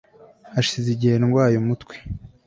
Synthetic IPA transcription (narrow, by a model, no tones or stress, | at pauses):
aʃiziɟiheɾaŋɡwaːjomutkwe̥